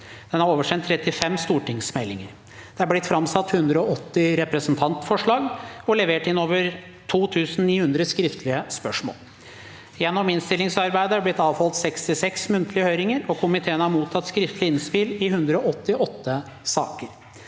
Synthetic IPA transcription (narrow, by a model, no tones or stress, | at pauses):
d̪̥ɛnhɑɾoːʋəʂɛnt̪ʰːɾɛt̪ːɪfɛmst̪uːʈɪŋsmɛlːɪŋəɾ | d̪̥ɛɑɾblɪt̪fɾɑmsɑt̪ːhʉnd̪ɾəɔɔt̪ːɪɾɛpɾɛsnt̪ʰɑnt̪fɔʂɭɑːɡɔlɛʋeːʈɪnoːʋəɾ | t̪ʰuːt̪ʰʉːsn̩niːhʉnd̪ɾəskɾɪft̪ʰəlɪəspœʂmo̰ːl | jɛnːɔmɪnst̪ɪlːɪŋsɑɾbæɪd̪əæblɪt̪ːɑːʋhɔlt̪sɛkst̪ɪsɛksmʉnt̪əlɪəhøːɾɪŋəɾɔkʰʊmɪt̪ʰeːənəhɑɾmuːt̪ʰɑt̪ːskɾɪft̪əlɪɪnspɪlɪɦʉnd̪ɾəɔʔɔt̪ːɪʔɔt̪ːə | sɑ̰ːkəɾ